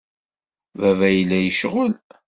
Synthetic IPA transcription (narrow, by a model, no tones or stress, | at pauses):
vævæjəlːæjəʃʁəl